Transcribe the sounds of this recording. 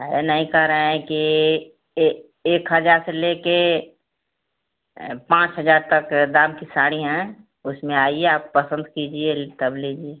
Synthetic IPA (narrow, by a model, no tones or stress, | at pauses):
ɦenəɦĩkɐɦɾəɦɛ̃ki | eːkɦəd͡ʒaːɾseleke | pãːt͡ʃɦəd͡ʒaːɾt̪əkd̪aːmkisaːɽ̃iɦɛ̃ | ʊsmẽaːieaːppəsə̃nd̪kid͡ʒiet̪ɐbleːd͡ʒie